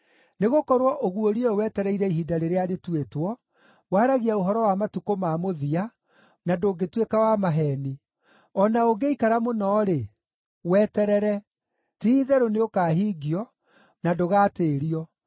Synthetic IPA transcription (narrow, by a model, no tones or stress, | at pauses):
neɣokɔɾwɔʔoɣuoɾiɔwɛtɛɾɛiɾɛiɦidaɾeɾeaɾetwetwɔ | waːɾaɣiaoɦɔɾɔwamatukomamoðia | nadoːɡetwekawamaɦɛːni | ɔnaoɡeikaɾamonɔːɾe | wɛːtɛɾɛɾɛ | tiðɛɾoneokaːɦiːɡiɔ | nadoɣaːteːɾiɔ